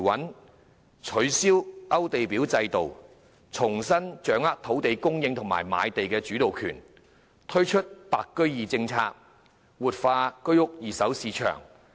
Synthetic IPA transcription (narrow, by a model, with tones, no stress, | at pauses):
wɐ˨˥n | t͡ʃʰɵ˨˧˥ɥsiː˥wʔɐ˥wt̪e˨jpi˨˥wt͡sɐ˧jt̪o˨w | t͡sʰʊ˨˩ŋsɐ˥nt͡ʃœː˨˥ŋaː˥k̚t̪ʰo˨˥wt̪e˨jkʊ˥ŋjɪ˧ŋt̪ʰʊ˨˩ŋma̰ː˨˩jma̰ː˨˧jt̪e˨jkɛː˧t͡ʃyː˨˥t̪o˨wkʰy̰ː˨˩n | t̪ʰɵ˥ɥt͡ʃʰɵ˥t̚paː˨kːɵ˥ɥjiː˨t͡sɪ˧ŋt͡sʰaː˧k̚ | wuː˨t̚faː˧kɵ˥ɥʊ˥k̚jiː˨˩sɐ˨˥wsiː˨˧t͡ʃʰœ̰ː˨˩ŋ